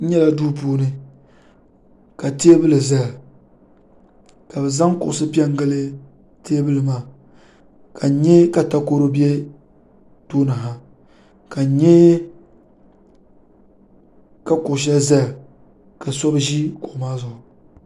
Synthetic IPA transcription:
n̩˦ɲɛ˦la˦duː˦p̬uː˦nɨ˦ | ka˨te˦e˦bɨ˦lɨ˨za˦ja˨ | ka˨bɛ˨za˦ŋkʊ̰˨ʔʊ˨sɨ˦pi˦ɛ˦ŋ˦ɡɨ˦lɨ˦ | te˦bɨ˦lɨ˨maː˨ | ka˨˦ɲɛ˦ka˨ta˦ko˦ɾo˦bi˦ɛ˦ | tuː˦na˨ɦa˦ | ka˨ɲɛ˦ | ka˦kʊ˨ʃ̬a˦za˦ja˨ | ka˨sɔ˦bʒi˦kʊ˨ʔʊ˨maː˦zʊ˨ʊ˨

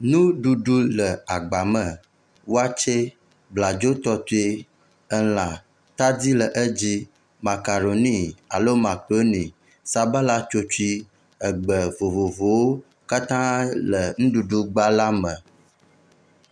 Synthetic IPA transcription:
nũ˦ɖu˨ɖu˦lə˨a˨ɡ͡ba˨mə˨ | wo˦a˦t͡ʃe˦ | bla˨d͡ʒo˦t̪ɔ˦t̪u˦e˦ | ə˦lã˨ | t̪a˦di˦lə˨ʔə˦d͡ʑi˦ | ma˨ka˨ɾo˨nĩ˦a˨lo˦mã˨k͡po˦nĩ˨ | sa˨ba˦la˦t͡ʃo˦t͡ʃu˦i˦ | ə˨ɡ͡bə˨vo˨vo˨vo˨wo˦ | ka˦t̪ã˦lə˨ŋ̩̃˦ɖu˨ɖu˦ɡ͡ba˦la˦mə˨

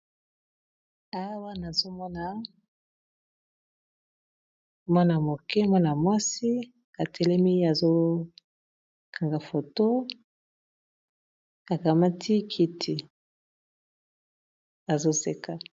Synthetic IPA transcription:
a˦wa˦na˨zo˦mɔ˦na˨ | mɔ˦na˨mo˨kɛ˦mɔ˦na˨mɔ˦si˦ | ka˨tʰɛ˨lɛ˦mi˦a˨zo˦ | kʰa˨ŋɡa˨fo˨to˦ | ka˨ka˨ma˦tʰi˦kʰi˨tʰi˨ | a˨zo˦se˦ka˨

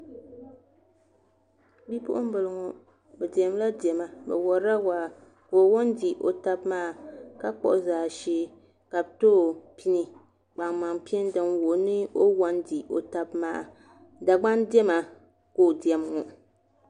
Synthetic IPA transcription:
bi˦pʊ̰˦ʔʊ˦m̩˦bɨ˨lɨ˨ŋɔ˨ | bɛ˨di˨ɛ˨m˦la˦di˨ɛ˨ma˨bɛ̰˨wɔ˨ɾa˦waː˨ | ko˨wɔ˦ndi˨ʔo̰˨ta˦bmaː˦˨ka˦k͡pɔ̰˨ʔʊ˦zaː˨ʃeː˦ | ka˨b̚toː˦˨pʰi˦ni˨ | k͡pa˨ŋma˨ŋpi˦ɛ˦n˦dɨ˨ŋwo˨nɨ˦o˦wɔ˦ndi˨o̰˨ta˦bmaː˦˨ | da˨ɡ͡ba˦ndɛ˦ma˨ | ko˦˨di˨ɛ˨mŋɔ˨

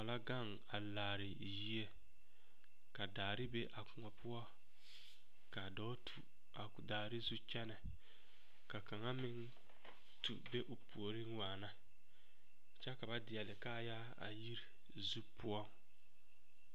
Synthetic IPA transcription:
a˨la˦ɡa˦˨ŋ | a˨laː˨ɾɪ˨ | ji˦e˦ | ka˨daː˨ɾɪ˦be˦ʔa˨kʊ˨ŋɔ˨pʊ˦ɔ˦ | ka˨dɔː˦tʰu˨ | a˨daː˨ɾɪ˦zu˦t͡ʃɛ˦nɛ˨ | ka˨ka˨ŋa˦mɪ˦ŋ | tṵ˨be˦ʔʊ˨pu˨o˨ɾɪ˦ŋwaː˨na˦ | t͡ʃɛ˦ka˨ba˦dɪ˨ɛ˨lɪ˨ka˦˨ja˦ | a̰˨ji˦ɾi˨ | zu˦pʊ˦ɔ˦˨ŋ

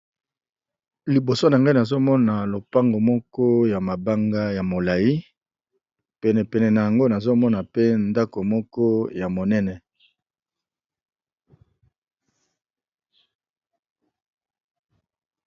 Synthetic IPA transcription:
li˨bo˨so˦na˨ŋɡa˦i˦na˨zo˦mɔ˦na˨lo˨pa˦ŋɡo˨mɔ˦kɔ˦ja˨ma˨ba˦ŋɡa˦ja˨mo˨la˨ji˦ | pɛ˨nɛ˨pɛ˨nɛ˨na˨ja˨ŋɡo˦na˨zo˦mɔ˦na˨pe˦nda˦ko˨mɔ˦kɔ˦ja˨mo˨nɛ˦nɛ˨

